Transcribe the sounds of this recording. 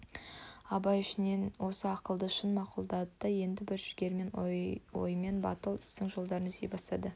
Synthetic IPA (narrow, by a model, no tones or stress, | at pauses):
ɑbɑjɪʃɪnenwo̞səɑqəlˠd̪əʃənmɑqulˠd̪ɑd̪əd̪əje̞nd̪ɪbɪɾʒɪɡʲe̞ɾme̞nwo̞̰jəme̞nbɑ̰t̪əlˠɪst̪ɪŋʒo̞lˠd̪ɑɾəɴzd̪ebɑst̪ɑd̪ə